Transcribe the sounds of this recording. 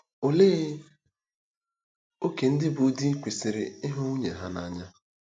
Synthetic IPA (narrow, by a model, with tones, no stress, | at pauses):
o˨leː˦ | o˦ke˨n̩˦dɪ˦bu˨˦di˦kʷi˨sɪ˨ɾɪ̰˨ɪ˦ɦo˦u˦ɲe˨ɦa˦na˨ɲa˦